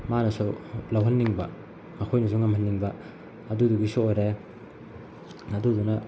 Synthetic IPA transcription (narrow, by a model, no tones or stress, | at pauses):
manɐsulawɦɐnːiŋbɐ̰ | mɐkʰojnɐsuŋɐmhɐnːiŋbɐː | duduɡisuojɾa | ɐdudunɐ